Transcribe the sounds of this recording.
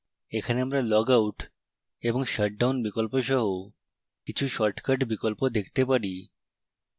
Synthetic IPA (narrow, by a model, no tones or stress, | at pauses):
ekʰaneamɾalɔɡawʈ | eboŋʃəʈ̚ɖawnbikolpoʃ̬ɔɦo | kit͡ɕʰuʃɔɾʈkaɖbikolpod̪ekʰt̪epaɾi